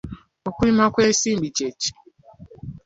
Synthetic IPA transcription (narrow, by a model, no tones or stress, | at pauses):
okʷuimakʷesim̩bit͡ʃet͡ʃi̥